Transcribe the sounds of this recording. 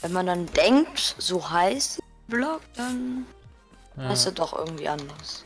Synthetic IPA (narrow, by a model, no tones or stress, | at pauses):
vɛnmandandɛŋk̚tz̥oːɦaɪs | blɔk̚d̥an | haɪstad̥ɔχʔɪ̰ɐɡŋ̩tv̥ḭːʔandɐʁs